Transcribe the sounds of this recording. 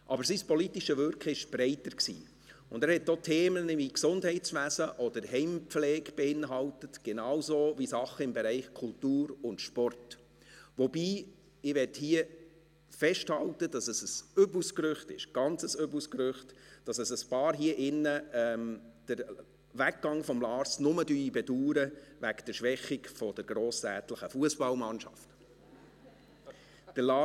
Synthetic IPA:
ʔɑbəɾsispɔlitiʃəvʏɾkχɪʃb̥ɾɛɪtəɾksḭː | ʊndæːɾhɛtːotʰɛːmənɪiksʊndhɛɪtsʋæːzəʔɔd̥əɾɦɛɪmpflɛːɡb̥ɛɪnɦɑltətɡ̥ɛnɑːwsoːvisɑχəɪmbɛɾɛɪχkʰʊltuːɾʊntʃpɔrt | ʋɔbiː | ɪʋɛthiə | fɛʃthɑltəd̥ɑsəsəsʏbuskɾʏχtɪ̰ʃɡ̥ɑnt͡səsøbuskɾʏχtd̥ɑsəsəspɑːɾɦiəʔɪnːəɛmd̥əɾ | væk̚ːɑŋfɔmlɑːɾsnʊmədyːibɛduːɾəʋækd̥əɾʃʋɛχɪkfɔd̥əɾɡɾoːstæːtləχəfuəsb̥ɑlmɑnʃɑ̰ft | d̥əlɑ

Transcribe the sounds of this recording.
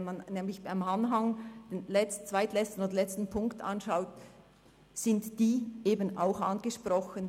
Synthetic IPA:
nmanːɛːmlɪçb̥aɪmanɦaŋd̥enlɛt͡st͡sv̥aɪtlɛt͡stn̩odɐlɛt͡stn̩pʰʊŋkta̰nʃaʊt | sɪntd̥iːʔeːbənaʊxanɡəʃprɔxən

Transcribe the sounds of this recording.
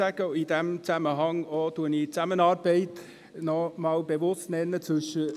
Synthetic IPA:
æɡ̥əid̥ɛmt͡sæməɦɑŋɔtuənit͡sæmənɑːɾb̥ɛɪt | nɔmɑlb̥evʊstnɛnːət͡sʋʏʃə

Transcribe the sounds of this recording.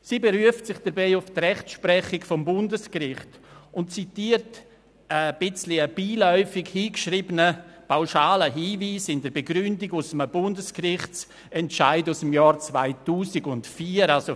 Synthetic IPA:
sibɛɾyəftsɪχd̥ɛɾbiːʊftrɛχtʃpɾɛχɪkfɔmbʊndəskrɪχtʊntt͡sitiːərt | əb̥ɪt͡sliəb̥iːlɔʏfɪkhiːkʃriːbənəpʰaʊʃaːləɦiːviːsɪndəɾbeɡɾʏndɪɡʊsəməbʊndəskrɪχtt͡s | ɛntʃaɪdusəmjaːɾt͡svaɪtuːsiɡʊntfiːəɾalso

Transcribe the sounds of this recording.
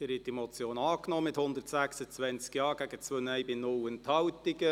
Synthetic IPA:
ɪɾhɪt̚d̥imɔt͡sjoːnɑːknɔːmɪthʊnd̪ərtsæksət͡sʋɛnt͡skjɑːɡ̥æɡət͡svøːnɛjbɪnʊwənt̪hɑwtɪɡə

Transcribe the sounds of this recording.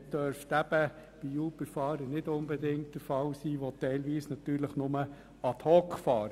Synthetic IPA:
d̥œɾftæb̥ə | b̥ijuːbəɾfɑːɾənɪdʊnbɛdɪŋt̚ːəɾfɑwsiːʋɔt̪ɛɪlʋiːsnɑt̪yːɾləχnʊmə | ɑt̪hɔːkfɑːɾ

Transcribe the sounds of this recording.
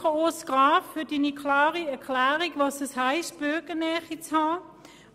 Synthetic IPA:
oosɡ̥ʁɑːffʏɐd̥inikʰlɑːʁiɛɐkʰlæːʁiɡvɑsɛshaɪst̚b̥øɡənɛɐχit͡shɑː

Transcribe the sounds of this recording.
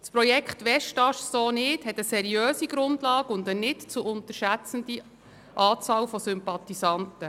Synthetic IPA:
spɾɔjɛkχtʋɛʃtɑʃsoːnɪthɛtəsɛɾiœːsiɡɾʊndlɑːɡʊnd̪ənɪtt͡suʊnt̪əɾʃæt͡sən̩di | ʔɑːt͡sɑːlfɔsʏmpɑt̪isɑntə

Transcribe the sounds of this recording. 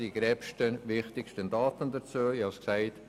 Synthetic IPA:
iɡ̥ɾɛpʃtənʋɪχtɪkʃtəndɑːtəndəɾt͡suːəihɑsksæɪt

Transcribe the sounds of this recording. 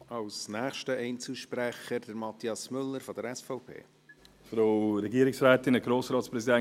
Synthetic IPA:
ɑwsnæːχʃtəʔɛɪnt͡suʃprɛχəɾd̥əɾmɑt̪iɑsmʏlːəɾfod̥əɾɛsfɔʊpʰḛː | fɾoʊɾɛɡiəɾɪksɾɛːt̪ɪnəɡ̥ɾoːsɾɑːtspɾɛsidɛ

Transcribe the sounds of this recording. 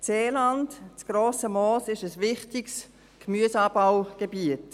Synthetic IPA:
seːlantt͡sɡ̥roːsəmɔːsɪʃəsvɪχtɪks | kmyəsɑːbawɡ̥ebiət

